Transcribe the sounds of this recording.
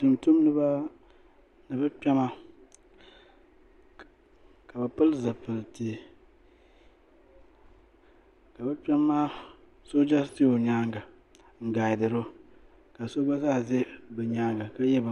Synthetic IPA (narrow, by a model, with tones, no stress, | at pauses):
tɨ˨mtu˦m˦nɨ˦ba˦ | nɨ˨bɨ˦pɛ˦ma˦ | ka˨bɛ˨pɨ˦lza˨pɨ˨lti˨ | ka˨bɛ˦pɛ˦mːa˦ | so˦d͡ʒa˦ti˦o˨ɲa˦ŋɡa˨ | ŋ̩˨ɡaː˨jɪ˨dɨ˨ɾʊ˦ | ka˨so˦ɡ͡ba˦za˦˨ze˦bɛ˨ɲa˦ŋɡa˨ka˦jɛ˦ba˨